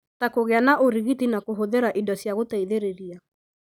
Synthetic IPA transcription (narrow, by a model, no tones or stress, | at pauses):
takoɣeanaʔoɾiɣitinakoɦoðeɾaʔidɔsjaɣotaiðeɾeɾia